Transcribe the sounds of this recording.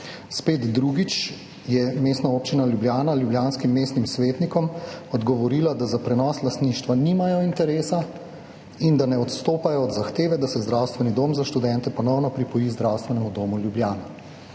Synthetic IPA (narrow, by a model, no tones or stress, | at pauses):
speːd̪d̪ɾuːɡit͡ʃ | jɛmeːst̪naoːp̚t͡ʃinaljubljaːnaljubljaːnskimːeːst̪nimsʋeːt̪nikɔmɔd̪ɡɔʋɔɾiːlad̪azapɾɛnɔːslast̪niːʃt̪ʋaniːmajɔint̪ɛɾeːsa | ind̪anɛɔt̪st̪oːpajɔːd̪zaxt̪eːʋɛd̪asɛzd̪ɾawst̪ʋɛnid̪oːmzaʃt̪ud̪ɛnt̪ɛpɔnɔwnɔpɾipɔjizd̪ɾawst̪ʋɛnɛmud̪oːmuljubljaːna